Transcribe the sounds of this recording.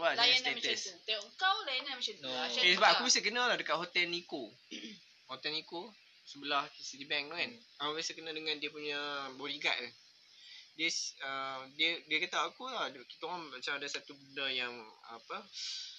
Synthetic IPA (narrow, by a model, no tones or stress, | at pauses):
walajasnɛmat̪st̪əŋkawlajanamat͡ʃat̪uesəbaʔaubisəkənəlahdəkaʔ̚hot̪ɛlniko | hot̪ɛniko | səbəlahsit̪ibɛŋ̚lokan | akubisəkənədəŋãndiəpuɲaboɾiɡa̰ʔa | diəsədiədiəkat̪awakutakit̪oŋɔmat͡ʃamadasat̪ubəndəjaŋa̰pə